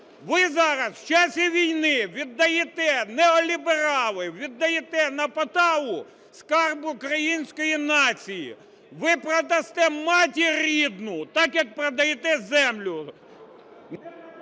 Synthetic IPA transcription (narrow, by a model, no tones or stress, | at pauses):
ʋɪzɑɾɐst͡ʃasʲiʋʲijnɪʋʲid̪ːɐjet̪ɛnɛɔlʲibeɾɑlˠɪʋʲid̪ːɐjet̪ɛnɐpɐt̪ɑwʊ | skɑrbʊkɾɐjinʲsʲkɔjinɑt͡sʲijḭ | ʋɪpɾɔd̪ɐst̪ɛmɑtʲiɾʲid̪nʊt̪ɑkjɐk̚pɾɐd̪ɐjɛt̪ɛzɛmlʲʊ